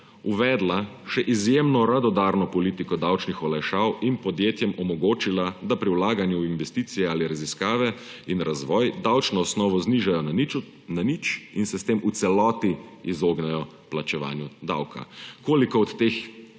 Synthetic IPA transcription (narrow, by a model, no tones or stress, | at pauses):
uʋɛːd̪la | ʃɛʔizjemnɔɾad̪ɔd̪aːɾnɔpɔliːt̪ikɔd̪awt͡ʃnixɔlajʃaːwinpɔd̪jeːt̪jɛmɔmɔɡoːt͡ʃilad̪apɾiwlaːɡanjuinʋɛst̪iːt̪sijɛaːliɾaziskaːʋɛ | inɾazʋɔːjd̪awt͡ʃnɔːsnɔːʋɔzniːʒajɔ | nanit͡ʃinsɛst̪eːmut̪sɛlɔːt̪iizoːɡnɛjɔ | plat͡ʃɛʋa̰ːnjud̪a̰wkʰa̰koːlikɔɔt̪ːeːx